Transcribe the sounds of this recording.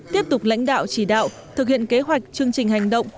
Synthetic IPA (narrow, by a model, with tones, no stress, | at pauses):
t̪i˦˥əp̚t̪ʊ˨˩k͡p̚la̰˧˥jŋ̟ɗa̰ː˧˨wt͡ɕi˧˩ɗa̰ː˧˨w | t̪ʰɨ˨˩k̚hḭ˧˨ənke˨˦ɦwa˨˩jk̟̚t͡ɕɨ˧əŋt͡ɕï˨˩ŋ̟ha˨˩jŋ̟ɗə̰˧˨wŋ͡m